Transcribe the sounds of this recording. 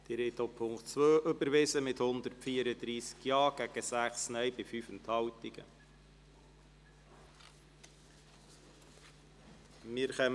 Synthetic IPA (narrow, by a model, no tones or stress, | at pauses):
d̪̥ɪɾet̪opʰʊŋkt͡sʋøːʔʏbəɾʋɪsəmɪt̪hʊnd̪əɾfiːəɾəd̪ɾiːskjɑːɡ̥æɡ̥əsæχsnœjbɪfyfənt̪hɑwt̪ɪɡ̥ə̰ | mɪɾχɛm